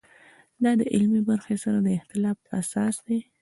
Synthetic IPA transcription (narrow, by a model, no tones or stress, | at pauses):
d̪ɑd̪əʔɪlmibaɾxesaɾad̪əɪxt̪ɪlɑfasɑsd̪e